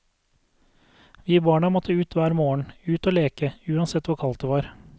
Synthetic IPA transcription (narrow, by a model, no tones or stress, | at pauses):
ʋiːbɑːɳɑmɔt̪ʰəʉːt̪ʰʋæːɾmoːəɳ̩ʉːt̪oːleːkəʉːɑnsɛt̪ʋʊɾkʰɑlt̪̚əʋɑːɾ